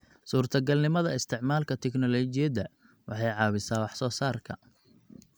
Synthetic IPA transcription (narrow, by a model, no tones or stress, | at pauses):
suːrt̪ʰɐɡɐlnɪmɐðɐɪst̪ʰɪʕmaːlkʰɐt̪ʰɛknɔlɔt͡ʃɪjɐdɐ | wʔɑ̰ħɑjʕɑːβɪsaːwɑħsɔːsaːrkʰɐ